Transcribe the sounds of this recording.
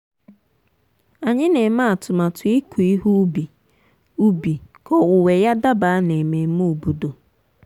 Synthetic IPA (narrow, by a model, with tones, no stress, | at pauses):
a˨ɲɪ˦ne˨ma˦a˨tʊ˨ma˨tʊ˨˦i˦ku˨i˦ɦu˦bi˨ | u˦bi˨kɔ˦wʊ˨we˨ja˦da˦ba˨a˦ne˨me˨˦mu˦u˨bu˨do˨